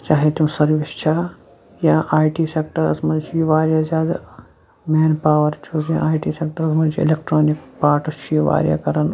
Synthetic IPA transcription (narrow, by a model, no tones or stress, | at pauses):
t͡ʃaːɦit̪umsɐɾʋist͡ʃʰaː | jãːʔaːjʈiːseːkʈɐɾɐsmɐ̃t͡ʃʰijʋaːɾjazʲaːd̪a | meːnpaːʋɐɾt͡ʃʰusjã̰aːiʈiːseːk̚ʈɐɾɐsmɐnt͡ʃʰiḭlek̚ʈɾoːnikpaːʈɐst͡ʃʰijiʋa̰ːɾʲja̰ːkɐɾɐn